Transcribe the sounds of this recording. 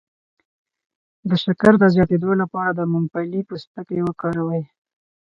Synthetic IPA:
d̪əʃakaɾd̪əzjɑt̪ed̪olapɑɾad̪əmʊmpalipəst̪əkewəkɑɾawəj

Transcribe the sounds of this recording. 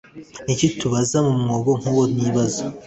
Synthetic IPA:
nicituβazamumŋoːβoŋ̥uwoniːβazo

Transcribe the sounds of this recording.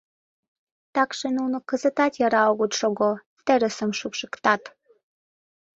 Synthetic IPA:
t̪ɑkʃenunokəzə̆t̪ɑt̪jɑɾɑoɣut̪ʃoɣo | t̪eɾəsə̆mʃukʃəkt̪ɑt̪

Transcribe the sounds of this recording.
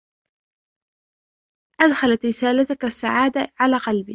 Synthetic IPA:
ʔad̪xalat̪ɾɪsaːlat̪ʊkasːa̰ʕaːd̪aʕalaːqɑlbi

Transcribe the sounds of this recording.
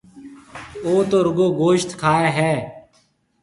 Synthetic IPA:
oːt̪oːɾʊɡoːɡoːʃt̪kʰaːeːɦɛː

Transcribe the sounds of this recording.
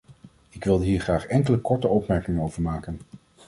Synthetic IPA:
ɪkʋɪlˠdəɦiːɹχraːχɛŋkələkɔɹtəɔpmɛɹkɪŋənowvəɹmaːkən

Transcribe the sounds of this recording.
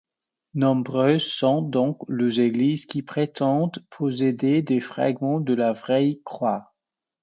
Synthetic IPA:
nɔ̃bʁøzsɔ̃d̪ɔ̃kləzeɡlizkʲipχet̪ɑ̃d̪pʰɔs̬ed̪ed̪efχa̰ɡmɑ̃d̪əlavʁɛjkχwa

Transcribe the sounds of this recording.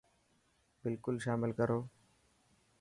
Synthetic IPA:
bɪlkʊlʃaːmɪlkəɾoː

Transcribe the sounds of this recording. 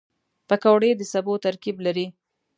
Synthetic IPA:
pakawɽed̪əsabot̪aɾkiblaɾi

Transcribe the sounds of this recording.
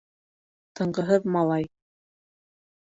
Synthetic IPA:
t̪ʰɤ̆ɴɢɤ̆ɦɤðmɑlˠɑj

